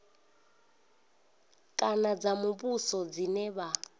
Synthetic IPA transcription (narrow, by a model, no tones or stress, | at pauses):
kʼanad͡zamuβusɔd͡zinɛβa